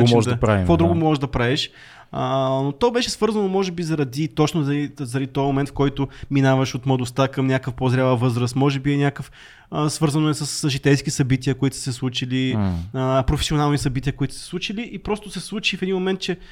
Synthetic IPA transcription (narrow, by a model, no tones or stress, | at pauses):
ɔʒkpɾaḭkod̪ɾuɡʊmɔʒd̪ɐpɾaɛʃ | ənot̪ɔbɛʃɛsvɤɾzɐnomɔʒɛbizɐɾɐd̪it̪ɔt͡ʃnozɐlizəɾd̪it̪ɔɛmomɛnt̪fkɔjt̪ʊminavɐʃot̪mlˠɐd̪ʊst̪akɐmnʲakəfpozɾʲalˠəvɤzɾəst̪mɔʒɛbiɛnʲakəf | əsvɤɾzɐnoɛsəsʒit̪ɛjskisɐbit̪iəkoit̪ʊ̥sɛslˠut͡ʃiliəpɾofɛ̥sionalˠnisɐbit̪ʲiəkoit̪ʊ̥sɛslˠut͡ʃiliʔipɾɔst̪ʊsɛslˠut͡ʃifɛd̪inmomɛnt̪̚t͡ʃɛ